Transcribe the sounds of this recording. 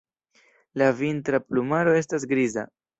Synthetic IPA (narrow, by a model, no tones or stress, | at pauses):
lavintɾaplumaɾo̞e̞s̬tas̬ɡɾiza̰